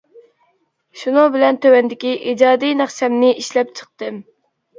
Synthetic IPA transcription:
ʃunɨŋbɪlɛnt̪ʰøwɛnd̪ɪkʲiʔid͡ʒɑːd̪ijnæχsɛmnɪʔiʃlɛp̚t͡ʃʰə̥q̚t̪ɨm

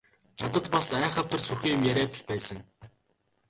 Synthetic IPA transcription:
nat̪ə̆t̪pasæːɴχə̆t̪ə̆rsurxiːjʊ̆mjæɾʲæːt̪ə̆ɮpæːsə̆ŋ

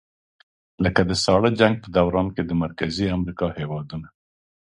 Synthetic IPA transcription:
ləkad̪əsɑɽəd͡ʒaŋɡ̚pəd̪awɾɑnked̪əmaɾkaziamɾikɑhewɑd̪una

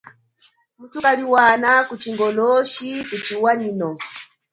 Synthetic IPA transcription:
m̩tukaliwanakut͡ʃiŋɡɔlɔʃikut͡ʃiwaɲinɔ

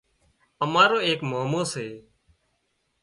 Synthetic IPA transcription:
əmaːɾoːeːkmoːmoːseː

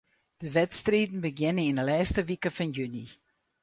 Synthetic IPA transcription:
d̥əvɛtstriːdən̩bəɡɪnənɪndəlɛːstəvikəfɑnjyni

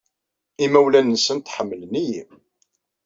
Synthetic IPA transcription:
imæwlænnsənt̪ħəmːəlniji

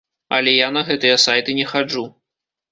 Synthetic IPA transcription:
ɐ̰lʲɛjanɐɣɛt̪ɨjɐsajt̪ɨnʲɛxad͡ʐu

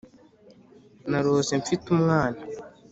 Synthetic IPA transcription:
naɾoːseɱfitumŋaːna

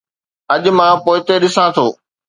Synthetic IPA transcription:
ɐʄ̆mãpoːɪt̪eɗɪsãt̪ʰoː

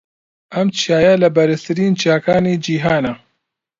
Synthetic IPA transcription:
ʔɐmt͡ʃʰijaːjalɐbɐɾɨst̪ɨɾiːnt͡ʃjaːkaːniːd͡ʒiːɦaːna

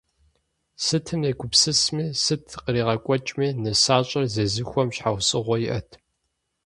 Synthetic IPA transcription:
sɨtʰɨmjekʷʰʊpsɨsmiːsɨtʰqəɾiːʁɐkʷʼɔt͡ʃʼmiːnɨsaːɕʼɐrzɐzɨxʷɔmɕħawsʼɨʁʷɔjiʔɐtʰ

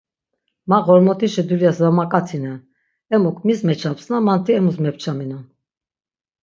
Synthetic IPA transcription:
maʁɔɾmɔt̪ʰiʃɛd̪uljasvamakʼat͡sʰinɛ | ɛmukʰmismɛt͡ʃʰapsnamant̪ʰiɛmusmɛpʰt͡ʃʰaminan

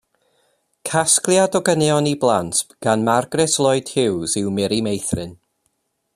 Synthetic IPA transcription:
kʰasklˠjadɔɡənɛɔniblˠantɡ̥anmarɡrɛslˠɔɨd̥hɪwzɪwmɛɾimejθrɪn

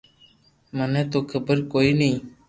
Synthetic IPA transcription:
məneːt̪oːkʰəbəɾkoːiːnĩː

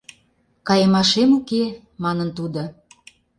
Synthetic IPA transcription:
kɑjəmɑʃemuke | mɑnə̆nt̪ud̪ŏ

